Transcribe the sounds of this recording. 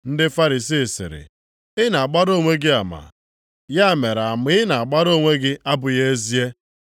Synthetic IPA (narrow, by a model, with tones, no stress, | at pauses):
n̩˦dɪ˦fa˦ɾi˨si˦˨sɪ̰˨ɾɪ̰˨ | ɪ˦na˨k͡pa˦ɾo˦˨ŋʷe˦ɡɪ˦a˨ma̰˨ | ja˦˨me˨ɾa˨a˨m˦ɪ˦na˨a˨k͡pa˦ɾo˦˨ŋʷe˦ɡɪ˦ʔa˦bʊ˨je˦e˦zi˦e˦